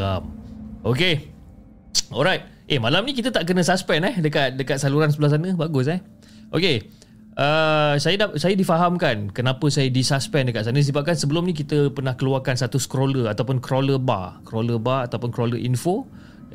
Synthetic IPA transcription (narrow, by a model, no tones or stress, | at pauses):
amʔoke | ɔlɾajt̪̚ | ʔemãlamnĩkit̪ət̪aʔk̬ənə̃saspɛnɛhdəkat̪̚dəkat̪̚saluɾansəbəlahs̬anə̃baɡʊsɛh | ʔo̰ke | ʔəsajədasajədifaɦamkankənãpəsajədisaspɛndəkat̪sanəs̬ibap̚kansəbəlʊmnĩk̬it̪əpərnahkəluarkanst̪at̪ʊskɾoləat̪awpʊnkɾoləba̰kɾoləbaat̪awpʊnkɾoləʔinfo